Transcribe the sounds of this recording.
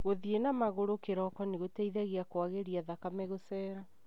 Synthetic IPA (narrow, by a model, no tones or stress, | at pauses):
ɣoðienamaɣoɾokeɾɔkɔneɣotɛiðaɣeakwaɣeɾiaðakamɛɣosɛːɾa